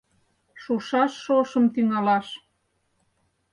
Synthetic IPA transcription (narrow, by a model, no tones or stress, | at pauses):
ʃuʃɑʃːoʃɤmt̪yŋɑlɑʃ